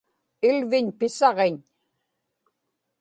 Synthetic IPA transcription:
ɪlvɪɲpɪsɑʁeɲ

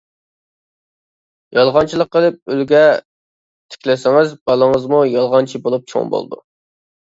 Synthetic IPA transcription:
jɑlˠʁɑnt͡ʃʰilˠəqːəlˠɪp̚ylɡʲɛ | t̪ʰɪ̥kʲlɪsɪŋɪzbɑlˠəŋəzmujɑlˠʁɑnt͡ʃʰibolˠup̚t͡ʃʰo̰ŋbo̰lˠd̪ṵ

